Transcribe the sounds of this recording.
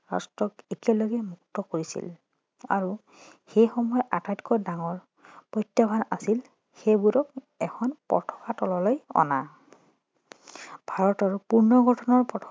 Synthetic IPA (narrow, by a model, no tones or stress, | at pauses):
ɹa̰stɹɔkekɛlɔɡɛmuk̚tɔkoɹisḭl | a̰ɹu | xejxɔmɔjɔʔatajtkɔdaŋɔɹ | pɔjtjabʱanasil | xejbuɾɔk | ɛkʰɔnpɔ̰tʰɔ̥katɔlɔlojɔ̰na | bʱaɹɔtɔɹpuɹnɔɡʱɔtʰɔnɔɹpɹɔtʰ